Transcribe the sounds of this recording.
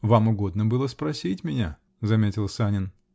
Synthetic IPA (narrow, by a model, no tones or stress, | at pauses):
vamʊɡo̞d̪nəbɨlˠəspɾɐsʲitʲmʲɪnʲa | zɐmʲetʲɪlˠsanʲɪn